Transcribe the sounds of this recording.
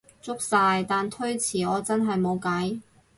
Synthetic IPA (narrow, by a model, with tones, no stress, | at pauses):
t͡sʊ˥k̚saː˧jt̪aː˨nt̪ʰɵ˥ɥt͡sʰiː˨˩ɔː˨˧t͡sɐ˥nɦɐ˨jmo˨˧wkɐ˨˥j